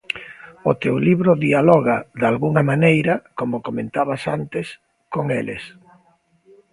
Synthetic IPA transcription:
ʊt̪ewliβɾʊðialɔɣaðalɣuŋɐmanejɾɐkomokomẽnt̪aβasant̪ɪs | koŋeles

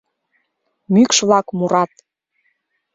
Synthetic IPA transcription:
mykʃβlɑkmuɾɑt̪

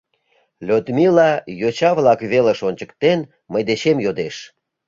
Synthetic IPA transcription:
lʲøt̪milɑjot͡ɕɑβlɑkβeleʃonʲt͡ɕəkt̪en | məjd̪et͡ɕemjod̪eʃ

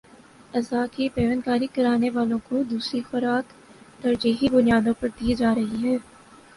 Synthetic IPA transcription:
ɐzaːkipeːʋənkaːɾikɐɾaːneʋaːlõkod̪uːsɾixʊɾaːk | t̪ɐɾd͡ʒiːɦibʊnijaːd̪õpɐɾd̪iːd͡ʒaːɾɐɦiɦɛː

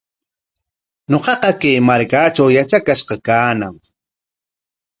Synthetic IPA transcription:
ɲoqɑqɑkajmaɾkat͡ʃawjat͡ʃakaʃqɑkaːnaŋ

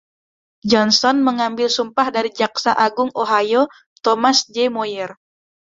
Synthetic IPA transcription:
d͡ʒɔnsɔnməŋambɪlsumpahdaɾid͡ʒaksaʔaɡʊŋoɦajo | t̪omasd͡ʒɛmojɛr

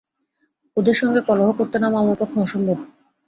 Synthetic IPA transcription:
od̪eɾʃɔŋɡekɔloɦokoɾt̪enamamopot̪ʰːoɔʃombob̪

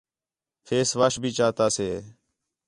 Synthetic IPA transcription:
fʰeːsʋaːʃbʱiːt͡ʃaːt̪aːseː

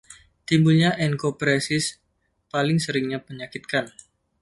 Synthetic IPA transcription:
t̪imbulɲaʔɛnkopɾesɪs | palɪŋsəɾɪŋɲapəɲakit̪̚kan

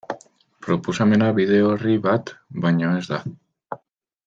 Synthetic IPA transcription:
pɾo̞posame̞naβiðe̞oriβat̪baɲoe̞zd̪a

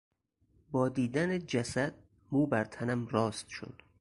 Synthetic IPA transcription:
bɒːd̪iːd̪æned͡ʒæsæd̪̚ | muːbæɾt̪ʰænæmrɒːst̪ʃo̰d̪̥

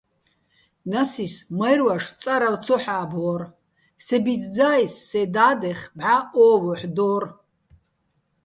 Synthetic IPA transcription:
nasismɐjrwaʂt͡sʼaɾawt͡sʰɔħaːbɔr | sɛbid̪d͡zaːjsːɛd̪aːd̪ɛχbʕaɔːvɔħd̪ɔːr

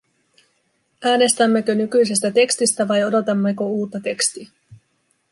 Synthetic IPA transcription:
ʔæːne̞st̪æmːe̞kø̞nykyjsest̪æt̪e̞kst̪ist̪æʋɑjo̞do̞t̪ɑmːekouːt̪ːɑt̪e̞kst̪iæ

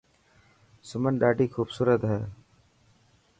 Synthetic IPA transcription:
sʊmənɗaːɖiːxuːbsuːɾət̪ɦɛː

